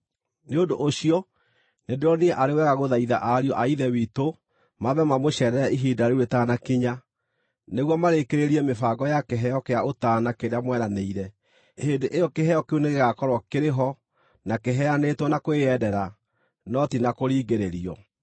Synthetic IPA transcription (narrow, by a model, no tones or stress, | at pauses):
neodoʔːɕiɔ | nendeɾɔniɛʔaɾewɛɣaɣoðaiða̰ʔaɾiɔʔaiðɛwito | maβɛmamoɕɛɾɛɾɛiɦidaɾeuɾetaːnakiɲa | neɣwɔmaɾekeɾeɾiɛmefaːɡɔjakeɦɛjɔkeaotaːnakeɾeamwɛɾaneiɾɛ | heːndeʔejɔkeɦɛjɔkeuneɣeɣakɔɾɔkeɾeɦɔ | nakeɦɛjanetwɔnakoeɛdɛɾa | nɔtinakoɾiːɡeɾeɾiɔ